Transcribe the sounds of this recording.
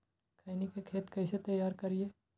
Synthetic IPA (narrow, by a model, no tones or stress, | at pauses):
kʰainikekʰeːt̪kɛːset̪ɐjaːɾkɐɾie